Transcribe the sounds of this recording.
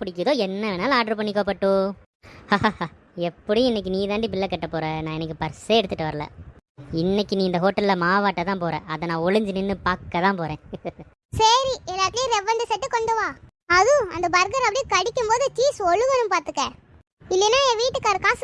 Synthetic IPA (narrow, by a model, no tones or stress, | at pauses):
pɪɽɪkːɯðoːɛnːɐʋɛnaːlɐaːɖɐɾp̬ɐɳːikːoːpɐʈːʊ̃ | haːh | ɛpːɐɽij̃ɪnːɛk̬ːɯniːðaːɳɖip̬ɪlːɐkːɐʈːɐpːoːɾẽnãːɛnːɐkːɯpɐɾseːɛɽɯt̪ːɯʈːɯʋɐɾɐlɐ̰ɪnːɛkːɯnĩːɪnd̪ɐɦoːʈːɐllɐmaːʋaːʈːɐt̪ãːpoːɾɐ̰̃ːɐðɐnãːɔɭɯɲd͡ʒɯnɯnːɯpaːkːɐt̪ãːpoːɾẽː | sɐɾiɛlːaːʈ̪ɪleɾɛʋɐnɖɯsɐʈːɯkɔɳɖɐʋaː | ɐðɯ̃ɐnd̪ɐbɐɾɡɐɾɐpːɐɽɪjekɐɽɪkːɯmpoːðɯtiːsɔɻɯʋɐnɯmpaːɾt̪ɯkːɛ̃ | ɪllːenaːẽʋiːʈːɯkːɐɾɯkːãː